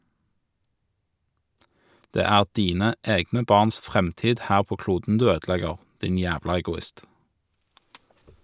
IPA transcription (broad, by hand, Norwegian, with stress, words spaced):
ˈdeː ˈæːʁ ˈdiːnə ˈeːɡnə ˈbɑːʁns ˈfʁɛmˌtiːd ˈhæːʁ ˈpoː ˈkluːdn̩ ˈdʉː ˈøːdˌlɛɡəʁ ˈdɪn ˈjæːʋlɑ ɛɡʊˈɪst